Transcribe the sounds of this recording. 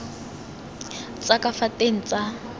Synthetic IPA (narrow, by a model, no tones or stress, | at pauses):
t͡sʼakʼafatʼeŋ̩t͡sʼa